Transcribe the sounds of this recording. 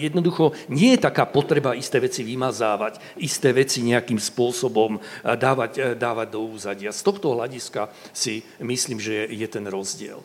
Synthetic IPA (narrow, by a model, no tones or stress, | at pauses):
jɛd̪nɔd̪uxɔɲɪɛjɛt̪akaːpɔt̪ɾɛbaist̪ɛːʋɛt͡siʋimazaːʋac | ist̪ɛːʋɛt͡siɲɛakiːmspʊɔsɔbɔmd̪aːʋaɟd̪aːʋaɟ̚d̪ɔuːzaɟɪast̪ɔxt̪ɔɦlaɟiskasimisliːmʒɛjɛt̪ɛnɾɔzɟɪɛ̰l